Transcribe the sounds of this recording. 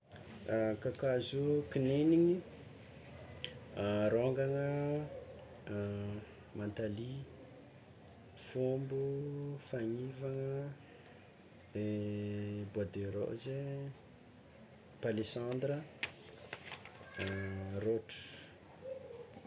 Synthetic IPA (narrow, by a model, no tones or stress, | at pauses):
akakazukineniɲi | ɾoŋɡaŋə | mant̪ali | fombufaɲivaŋə | e | buad̪eɾo̰ʔze | palesand̪rə | roʈ͡ʂu̥